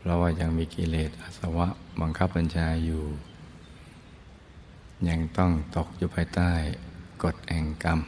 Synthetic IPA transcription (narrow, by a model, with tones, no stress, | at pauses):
pʰɾɔ˦˧˥waː˧˩ja˧ŋmiː˧ki˧leː˨˩t̪̚ʔa˧˩sa˧wa˦˥ʔba˧ŋkʰa˦˥p̚ːa˧nt͡ɕʰaː˧juː˨˩ | ɲa˧ŋt̪ɔ˥˩ŋt̪o˨˩k̚juː˨˩pʰaː˧jt̪aː˥˩jko˨˩t̪̚hɛ˨˩ŋka˧m